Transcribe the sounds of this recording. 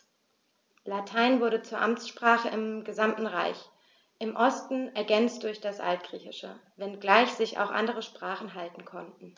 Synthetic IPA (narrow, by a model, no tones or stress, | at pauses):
latʰaɪnvʊɐɾət͡suːɐʔamt͡sʃpʁ̥aːχəʔɪmɡəzamtn̩ʁa̰ɪç | ʔɪmʔɔstn̩ɛɐɡɛnt͡std̥ʊɐçd̥asʔa̰ltɡ̥ʁ̥iːçɪʃə̰vɛnɡlaɪçz̥ɪça̰ʊxʔa̰ndəʁ̞əʃpʁ̥aːχn̩ɦaltn̩kʰɔntn̩